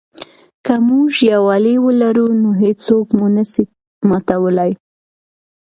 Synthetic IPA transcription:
kamuʒjawɑliwəlaɾunoɦet͡sokmunəsi | mɑt̪awəlaj

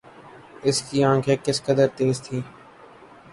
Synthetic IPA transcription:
ɪskiːãːkʰeːkɪskəd̪əɾt̪eːzt̪ʰiː

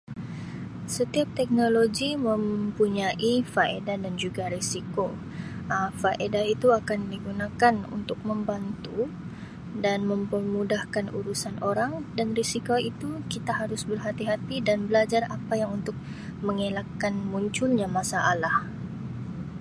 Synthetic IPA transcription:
sət̪iap̚t̪ɛk̚noloɡiməmpuɲaʔifaḛdadand͡ʒuɡaɾisiko | əfaʔedait̪uakandiɡunakanṵnt̪ʊk̚məmbant̪u | danməmpərmudahkanuɾusanʔoɾaŋdanrisikoit̪ukit̪aɦaɾʊsbərɦat̪iɦat̪idanbəlad͡ʒarapajaŋunt̪ʊk̚ | məŋelakːanmuɲt͡ʃʊlɲamasaʔalah

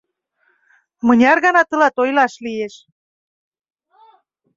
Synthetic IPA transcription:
mɤ̆nʲɑrɣɑnɑt̪ɤ̆lɑt̪ojlɑʃlijeʃ

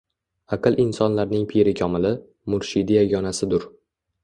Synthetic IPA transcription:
aqʰɨlˠʔɪnsɒnlaɾnɪŋpʰeɾɪkʲʰɒmɪlɪ | mʊɾʃɪd̪ajaɡʲɒnasɪd̪ʊɾ

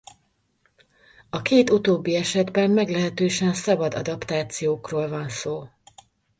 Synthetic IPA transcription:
ɒkeːt̪ut̪oːbːiɛʃɛd̪bɛmːɛɡlɛɦɛt̪øːʃɛnsɒbɒd̪ɒ̰d̪ɒpt̪aːt̪sijoːkroːlvɒnsoː

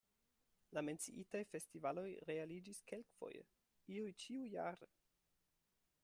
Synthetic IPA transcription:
lame̞nt͡sḭʔitajfe̞stivalo̞jɾe̞alid͡ʒiske̞lkfo̞̰jḛ | iujt͡ʃiujaɾe

